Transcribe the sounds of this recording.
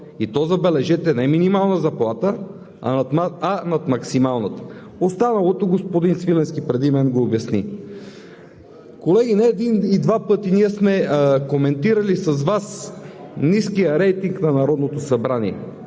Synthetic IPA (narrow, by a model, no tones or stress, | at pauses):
it̪ɔzɐbɛlɛʒɛt̪ɛnɛminimalˠnəzɐplˠat̪ə̰ | aːnɐt̪mɐksimalˠnət̪ə̥ | ost̪anɐlˠot̪oɡospod̪insvilɛnskipɾɛd̪imɛnɡoːbjɐsni | kolɛɡʲinɛːd̪inid̪vapɤt̪iniɛsmɛkomɛnt̪iɾɐlisɐzvas | niskijəɾɛjt̪iŋknɐnɐɾɔd̪not̪osɐbɾaniɛ̰